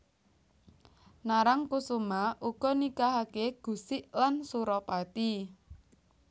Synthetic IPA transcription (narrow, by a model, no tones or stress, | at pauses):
naɾaŋkusumaʔuɡ̥ɔ̤nikaɦakeɡ̥ṳsɪʔlansuɾɔpat̪i